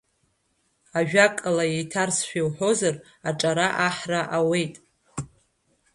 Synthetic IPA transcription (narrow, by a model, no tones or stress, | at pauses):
aʒᶣakʼalajejtʰarsʃᶣiwħo̞zar | aʈ͡ʂʼaɾaʔaħraʔawe̞jtʼ